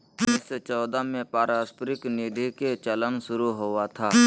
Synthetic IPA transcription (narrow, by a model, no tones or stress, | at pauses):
ɪset͡ʃɔːd̪amẽpaːɾaːspɾɪkniːɖʱeket͡ʃələnsʊɾuɦoat̪ʰaː